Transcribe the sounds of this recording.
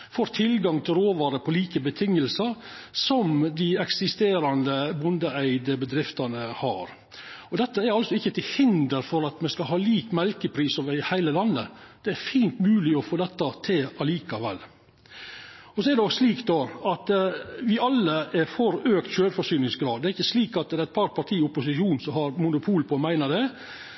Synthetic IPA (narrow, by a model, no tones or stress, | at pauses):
foːɾt̪ʰɪlɡɑŋt̪ʰɪlɾoːʋɑːɾəpʰɔliːkəbət̪ʰɪŋːəlsəɾ | sɔmd̪ɪɛksɪst̪eːɾɑnd̪əbʊnd̪əæɪd̪əbəd̪ɾɪft̪ɑnəhɑ̰ɾ | ɔd̪ɛt̪ːəæɾɑlsɔɪçːət̪ʰɪlhɪnd̪əɾfɔɾɑt̪mɛskɑlɦɑːliːkmɛlkəpʰɾiːsoːʋəɾɪhæɪləlɑnːəd̪̥ɛæɾfiːnt̪mʉːlɪɔfoːd̪ɛt̪ːɑt̪ʰɪlɑliːkɑʋɛ̰lː | ɔsɔɛɾɖɛɔsliːkd̪ɔɑt̪ʋɪɑlːəɛɾfɔɾøːkt̪ɕøːɾfɔʂyːnɪŋsɡɾɑːd̪d̪ɛæɾɪçːəsliːkɑt̪̚d̪ɛɾæɪt̪̚pʰɑɾpʰɑʈ̪ʰiːʊpʊsɪʃuːnsɔmhɑɾmʊnʊpʰuːlpʰɔmæɪnəd̪ɛ